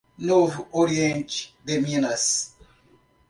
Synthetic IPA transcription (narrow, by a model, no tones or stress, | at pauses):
novuoɾiẽnt͡ʃd̪eminɐs